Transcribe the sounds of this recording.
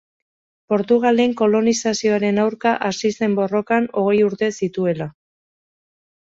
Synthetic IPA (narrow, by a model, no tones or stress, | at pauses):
po̞ɾt̪uɣ̞ale̞ŋko̞lo̞nisasio̞aɾe̞nawɾkaʔasise̞mbo̞ro̞kano̞ɣ̞e̞juɾt̪e̞sit̪ue̞la